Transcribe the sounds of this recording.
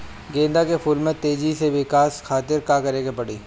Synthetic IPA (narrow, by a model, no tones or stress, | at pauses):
ɡẽːnd̪akefʰuːlmẽt̪eːd͡ʒiseʋɪkaːskʰaːt̪ɪɾkaːkɐɾeːɡepɐɽiː